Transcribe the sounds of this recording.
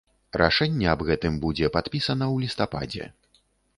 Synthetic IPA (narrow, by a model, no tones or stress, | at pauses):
ɾʔa̰ʂɛnʲːɛɐbɣɛt̪ɨmbud͡zʲɛpat̪pʲisɐnɐwlʲist̪apa̰d͡zʲɛ̰